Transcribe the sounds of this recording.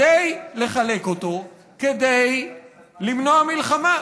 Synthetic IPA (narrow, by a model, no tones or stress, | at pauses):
ejle̞χale̞koto̞ | ke̞d̪ej | limno̞amilχama